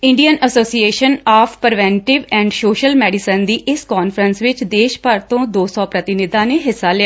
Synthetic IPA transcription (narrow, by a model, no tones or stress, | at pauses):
ɪ̃ɳɖijənəsoːsieːʃənaːpʰpəɾʋɛ̃ːɳʈɪʋɛ̃ːɳɖsoːʃəlmɛːɖɪsənd̪iːʔɪskɔːnfʰəɾənsʋɪt͡ʃd̪eːʃpəɾt̪õːd̪oːsɔːpɾət̪ɪnɪd̪ãːneːɦɪsːaːlɪa